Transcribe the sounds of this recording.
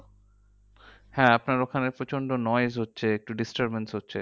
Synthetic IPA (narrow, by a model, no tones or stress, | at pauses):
hɛ̃apnaɾokʰaneɾpot͡ɕʰonɖonɔezɦotːɕʰeek̚ʈuɖisʈaɾbensɦotːɕʰe